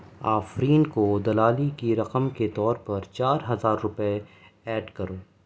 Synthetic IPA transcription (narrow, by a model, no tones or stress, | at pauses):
aːfɾiːnkod̪ɐlaːlikiɾɐqəmket̪ɔːɾpɐɾt͡ʃaːɾɦɐzaːɾːʊpe | ɛːɖkɐɾoː